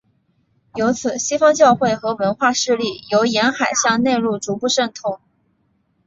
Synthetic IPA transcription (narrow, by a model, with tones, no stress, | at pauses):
jo˧˥ʊt͡sʰɹ̩˨˩ɕi˥fɑ˥ŋt͡ɕjɑ˥˧ʊxwe˥˩ɪxɤ˧˥wə˧˥nxwa˥˧ʂɻ̩˥˧li˥˩jo˧˥ʊjɛ˧˥nxa˨˩ɪɕjɑ˥˧ŋne˥˧ɪɻu˥˩ʈ͡ʂu˧˥pu˥˧ʂə˥˧ŋt̪ʰʊ˥˩˦ŋ